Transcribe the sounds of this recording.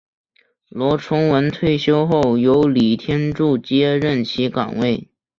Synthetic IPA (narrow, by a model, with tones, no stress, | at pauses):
lwɔ˧˥ʈ͡ʂʰʊ˧˥ŋwə˧˥nt̪ʰwe˥˩ɪɕjo˥ʊxo˥˩ʊjo˧˥ʊli˨˩t̪ʰjɛ˥nʈ͡ʂu˥˩t͡ɕjɛ˥ɻə˥˩nt͡ɕʰi˧˥kɑ̰˨˩ŋwe˥˩ɪ